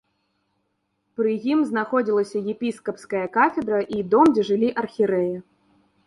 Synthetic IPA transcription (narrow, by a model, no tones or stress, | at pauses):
pɾɨjimznaxɔd͡zʲilˠɐsʲɐjɛpʲiskɐpskɐjɐkafʲɛd̪ɾɐʔid̪ɔmd͡zʲɛʐɨlʲiʔɐrxʲiɾɛjɛ